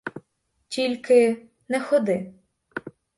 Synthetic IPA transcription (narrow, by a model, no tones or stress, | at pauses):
tʲilʲkɪ | nɛxɔd̪ɪ